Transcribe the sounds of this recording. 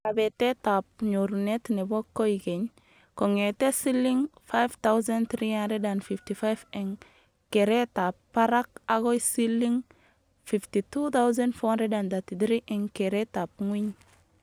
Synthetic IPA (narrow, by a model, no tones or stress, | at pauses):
abetetapɲoɾunetnebokːoiɡeɲ | koŋetesilːiŋfajft̪awzent̪ɾianɾedanfiftifajveŋ | keɾetapːaɾak̚aɡojsilːiŋ | fiftitut̪awzẽnfonɾedand̪atid̪ɾiʔeŋkeɾetap̚ŋwiɲ